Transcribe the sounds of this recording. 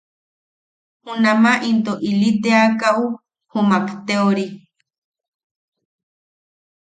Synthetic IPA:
hunamaʔint̪oʔilit̪eakau | humakt̪eoɾi

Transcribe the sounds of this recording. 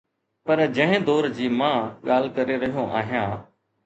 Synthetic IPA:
pəɾd͡ʒə̃ɦɪ̃d̪oːɾd͡ʑiːmãːɠaːl̤kəɾeɾəɦijõːʔa̰ːɦijãː

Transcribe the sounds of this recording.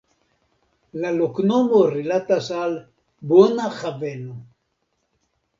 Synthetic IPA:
laloknomoɾilat̪asal | bonaχavenu

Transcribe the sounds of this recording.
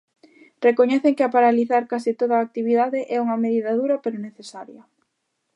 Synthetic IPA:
rekoɲɛθeŋkɪapaɾaliθaɾkasit̪oðaːk̚t̪iβiðaðɪʔɛuŋɐmeðiðɐðuɾɐpeɾoneθesaɾjɐ

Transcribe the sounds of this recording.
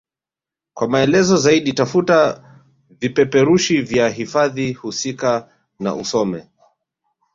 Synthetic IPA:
kwamaɛlɛzɔzaiɗitafuta | vipɛpɛɾuʃivjaɦifaðihusika | na̰ʔusɔmɛ

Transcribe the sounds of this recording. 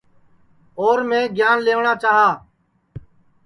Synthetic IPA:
oːɾmẽːɡjaːnleːʋɳãːt͡ʃaːɦaː

